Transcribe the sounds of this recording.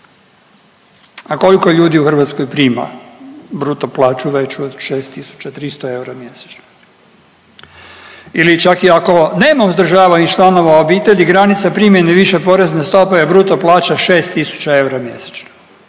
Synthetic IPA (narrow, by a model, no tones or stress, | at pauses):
ako̞liko̞ʎuːd̪iuxr̩ʋat̪skojpɾiːma̰bɾut̪oplaːt͡ʃuʋe̞t͡ʃod̪ʃeːst̪isu̥t͡ɕat̪ɾist̪oe̞uɾamje̞se̥t͡ʃno̥ | ilit͡ʃakiako̞neːmamuzd̪ɾ̩ʒaːʋanit͡ʃlˠano̞ʋaobiːt̪e̞ʎiɡɾanit̪sapɾimʲjeneʋiʃe̞po̞ɾeznest̪o̞pejebɾut̪oplˠaːt͡ʃaʃeːst̪isu̥t͡ɕae̞uɾamje̞̰se̥t͡ʃno̥